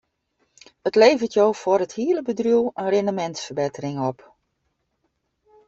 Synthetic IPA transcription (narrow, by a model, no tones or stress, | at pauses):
ətleːvətjowfɔrəthiələbədrulənrɪndəmɛntsfərbetərɪŋɔp